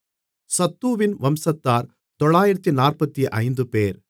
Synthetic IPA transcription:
sɐt̪ːuːʋɪnʋɐmsɐt̪ːaːɾ | t̪ɔɭaːjɪɾɐt̪ːinaːrpɐt̪ːiʔɐɪnd̪ɯpeːɾ

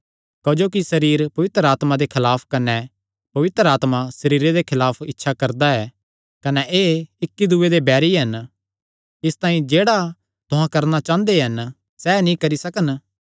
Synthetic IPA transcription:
kɐd͡ʒoːkisɐɾiːɾpɐʋɪt̪ɾəaːt̪mad̪ekʰɪlaːpʰkɐnɛ | pɐʋɪt̪ɾəaːt̪masɐɾiːɾed̪ekʰɪlaːpʰɪtːʃʰakɐɾd̪aɛː | kɐnɛʔeːɪkːid̪ʊed̪ebɛːɾiɦɐn | ɪst̪ãːĩd͡ʒeːɽa | t̪ʊɦãkɐɾnat͡ʃãːnd̪eɦɐn | sɛnĩkɐɾisɐkən

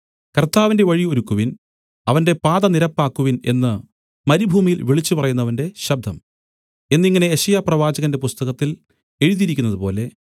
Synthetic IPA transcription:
kɐrt̪ːaːʋinde̞ʋɐɻio̞ɾukːuʋin | ɐʋɐnde̞paːðɐniɾɐpːaːkːuʋine̞̰nːɨ | mɐɾibʱuːmijilʋiɭit͡ɕːupɐrɐjunːɐʋɐnde̞ɕɐb̚d̪ʱɐm | e̞nːiŋːɐne̞eɕɐjaprɐʋaːd͡ʑɐɣɐnde̞pust̪ɐɣɐt̪ːil | e̞ɻuðiɾikʲːunːɐðupo̞ːle̞

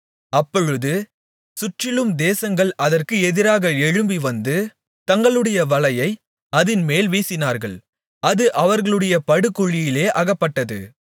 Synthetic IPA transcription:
ɐpːɔɻɯðɯ | sʊʈrɪlɯmd̪eːsɐŋɡɐɭɐðɐrkɯɛðɪɾaːɣɐɛɻɯmbiʋɐnd̪ɯ | t̪ɐŋɡɐɭɯɽɐjɐʋɐlɐjɐɪ | ɐðɪnmeːlʋiːsɪnaːɾɣɐɭ | ɐðɯʔɐʋɐɾɣɐɭɯɽɐjɐpɐɽɯkːʊɭːɪjɪleːʔɐɣɐpːɐʈːɐðɯ̰

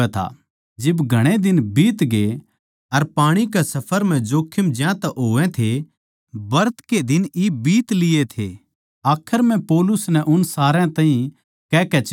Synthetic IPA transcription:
ɛt̪ʰa̰ | d͡ʒɪbɡʱɐɽ̃ed̪ɪnbiːt̪ɡe | ɐɾpaːɽ̃ik̬ɛsɐpʰəɾm̤ɛ̃d͡ʒoːkʰːɪmd͡ʒjãt̪ɛʔɦoːɛ̃t̪ʰe | bɐɾt̪ked̪ɪnibiːt̪lɪet̪ʰe | aːkʰəɾm̤ɛ̃pɔːlʊsnɛ̃ʔʊnsaːɾɛ̃t̪ãːɦĩ | kɛːkɛt͡ʃ

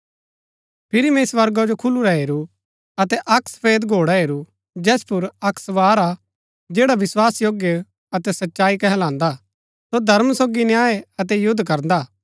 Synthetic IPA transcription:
pʰɪɾimɛ̃sʋɐɾɡad͡ʒokʰʊluɾaɦeːɾu | ɐt̪ɛʔɐksə̥pʰeːd̪ɡʱoːɽaɦeːɾu | d͡ʒɛːspʊɾɐksʋaːɾa | d͡ʒeːɽaʋɪswaːsjoːɡjə | ɐt̪ɛsɐtːʃaːikɛɦɛlãːnd̪a | sod̪ʱɐɾmsoːɡinjaːeɐt̪̬ɛjʊd̪ʱːkɐɾnd̪aː

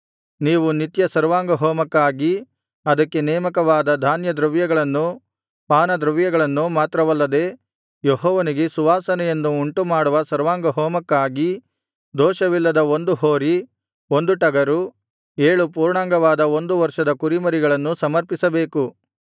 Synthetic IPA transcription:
niːʋunit̪jɐsɐɾʋaːŋɡɐɦoːmɐkːaːɡi | ɐd̪ɐkːe̞nɛːmɐkɐʋaːd̪ɐd̪ʱaːnjɐd̪ɾɐʋjɐɡɐɭɐnːu | paːnɐd̪ɾɐʋjɐɡɐɭɐnːumaːt̪ɾɐʋɐlːɐd̪e̞ː | jeɦɔːʋɐniɡe̞suʋaːsɐnɛjenːuːɳʈumaːɽuʋɐsɐɾʋaːŋɡɐɦɔːmɐkːaːɡi | d̪ɔːʃɐʋilːɐd̪ɐo̞nd̪uɦoːɾi | o̞nd̪uʈɐɡɐɾu | eːɭup̬uːɾɳaːŋɡɐʋaːd̪ɐo̞nd̪uʋɐɾʂɐd̪ɐkuɾimɐɾiɡɐɭɐnːusɐmɐɾpisɐbe̞ːku

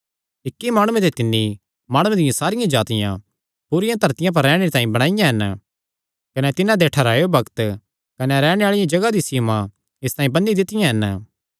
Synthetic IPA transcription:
ɪkːimaːɽ̃ʊẽt̪et̪ɪnːi | maːɽ̃ũẽd̪ɪjãsaːɾɪjãd͡ʒaːt̪ɪjã̰ | puɾɪjãt̪ɐɾt̪ɪjãp̬ɐɾːɛːɽ̃eɾit̪ãːĩbɐɽ̃aːɪjãɦɛn | kɐnɛt̪ɪnãd̪eʈʰɐɾaːjobɐkt̪ | kɐneɾɛːɽ̃eaːɭɪjãd͡ʒɐɡad̪isiːmã | ɪst̪aːĩbɐ̃nid̪ɪt̪ɪjãɦɛn

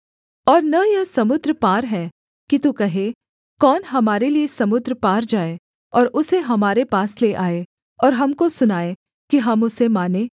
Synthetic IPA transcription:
ɔːɾnɐjɐsɐmʊd̪ɾəpaːɾɦɛː | kit̪ukɐɦe | kɔːnɦɐmaːɾeliesɐmʊd̪ɾəpaːɾd͡ʒaːe | ɔːɾʊseɦɐmaːɾepaːsleʔaːe | ɔːɾɦɐmkosʊnaːe | kiɦɐmʊsemaːnẽː

